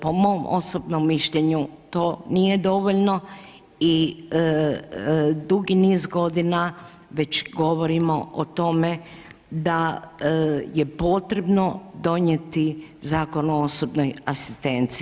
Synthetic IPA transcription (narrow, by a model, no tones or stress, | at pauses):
po̞mo̞mʔo̞̰sobno̞mːiʃʎeɲut̪o̞ːnije̞d̪o̞ʋoʎno | i | d̪uɡiniːzɡo̞d̪ina | ʋe̞t͡ɕɡo̞ʋo̞ɾimo̰ʔot̪o̞me | d̪a | je̞poːt̪ɾe̞bno̞d̪o̞ɲe̞t̪izaːko̞nuoosobnojasi̥st̪e̞nt̪si